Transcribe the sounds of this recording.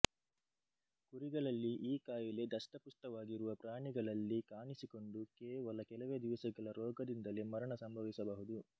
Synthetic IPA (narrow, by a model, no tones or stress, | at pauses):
kuɾiɡɐɭɐlːiʔiːkaːjile̞d̪ɐsʈɐpust̪ɐʋaːɡiɾuʋɐpɾaːɳiɡɐɭɐlːikaːɳisiko̞ɳɖukeːʋɐlɐkɛlɐʋeːd̪iʋɐsɐɡɐɭɐɾɔːɡɐd̪ind̪ɐlemɐɾɐɳɐsɐmbʱɐʋisɐbɐɦud̪u